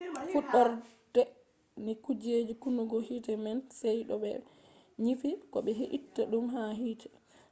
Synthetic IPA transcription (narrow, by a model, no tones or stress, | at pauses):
fuɗːɔɾ | dɛ | nikud͡ʒed͡ʒikunuɡɔhitɛmɛnsɛjɗɔɓɛ̰ | ɲifikɔɓɛɦiʔitːaɗumɦaɦiːtɛ̥